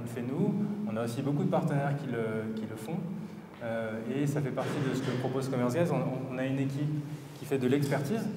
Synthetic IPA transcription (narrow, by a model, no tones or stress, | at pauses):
ɔ̃ləfɛnuɔ̃naosibokud̪əpaʁt̪ənɛʁkʲiləkʲiləfɔ̃ | øesafɛpaʁt̪id̪əsə̥kəpχɔpozkɔmɛʁsɡazɔ̃ːnaynekʲipkʲifɛd̪əlɛkspɛʁt̪iz